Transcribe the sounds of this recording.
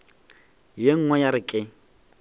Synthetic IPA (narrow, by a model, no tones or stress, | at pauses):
jeŋ̩ŋwɛjaɾɪkʼɪ